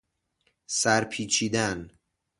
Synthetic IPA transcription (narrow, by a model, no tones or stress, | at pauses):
sæɾpʰiːt͡ʃʰiːd̪æn